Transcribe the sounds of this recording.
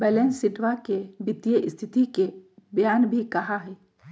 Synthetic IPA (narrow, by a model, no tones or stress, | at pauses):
bɛːlẽːnsɪʈʋakebɪt̪jəʔɪst̪ʰɪt̪ikebjaːnbʱikɐɦaɦɛː